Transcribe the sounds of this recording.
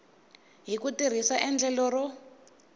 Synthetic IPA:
ɦikutir̤isaʔɛnd͡ɮɛlɔrɔ

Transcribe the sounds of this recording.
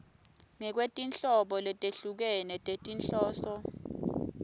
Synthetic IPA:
ŋɛk̬wetʼint͡ɬʼɔɓɔlɛtʼeɬuk̬ɛnɛtʼetʼinɬɔːsɔ

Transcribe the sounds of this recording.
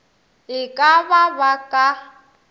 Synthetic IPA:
ɪkʼaβabakʼa

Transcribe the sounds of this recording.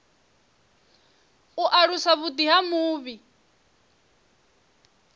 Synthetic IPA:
uʔaɺusaβut̪iɦamuːβi

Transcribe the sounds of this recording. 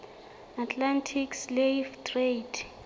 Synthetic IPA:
atʰlantʰiksleftʰʼred

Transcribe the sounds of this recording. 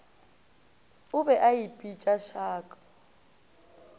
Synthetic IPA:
ʊbɛʔaipʼit͡ʃʼaʃaːkʼḁ

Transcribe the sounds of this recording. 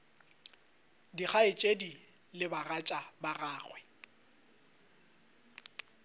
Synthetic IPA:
diχaɪt͡ʃʼedi | lɪbarat͡ʃʼabaraːɣwɛ

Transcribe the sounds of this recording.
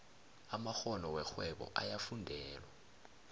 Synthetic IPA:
amaxɔnɔwɛxwɛɓɔ̰ʔajafundʱɛːlwa

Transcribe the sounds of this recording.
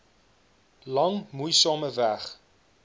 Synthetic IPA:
lɐŋmujsɑːməvæχ

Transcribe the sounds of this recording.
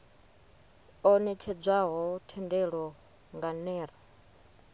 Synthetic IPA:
ɔnɛt͡ʃʰɛd͡zʷaɦɔtʰɛndɛɺɔ | ŋɡanɛːɾa

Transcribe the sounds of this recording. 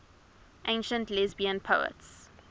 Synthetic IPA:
ʔẽɪ̃nʃə̃ntlɛzbiə̃npʰoʊə̰ts

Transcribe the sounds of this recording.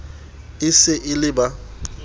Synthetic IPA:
ɪsɪʔɪlɪba

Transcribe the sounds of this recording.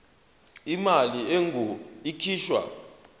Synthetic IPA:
imalieŋuikʰiːʃwa̰

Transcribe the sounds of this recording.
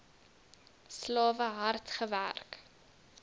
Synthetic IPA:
slɑːvəɦɐrtχəvæ̰rk

